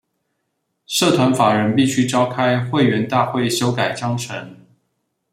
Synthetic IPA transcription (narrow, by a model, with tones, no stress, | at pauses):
ʂɤ˥˩t̪ʰwa˧˥nfa˨˩ɻə˧˥npi˥˩ɕy˥ʈ͡ʂɑ˥ʊkʰa˥ɪxwe˥˩ɪɥɛ˧˥nt̪a˥˧xwe˥˩ɪɕjo˥ʊka˨˩ɪt͡ɕjɑ˥ŋʈ͡ʂʰə˧˥ŋ